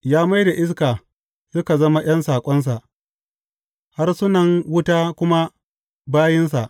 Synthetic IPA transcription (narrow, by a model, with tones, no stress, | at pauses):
jaː˦ma˦jda˨ʔɪ˦skaː˨ | sʊ˦ka˨zɐ˦ma˦j̰ɐ˦nsaː˨kʷʼɔ˦ns̬a˨ʔ | ha˦rsʊ˦nɐ˨ŋwʊ˦taː˦kʷʊ˦ma˦ | baː˦jɪ˦ns̬a˨ʔ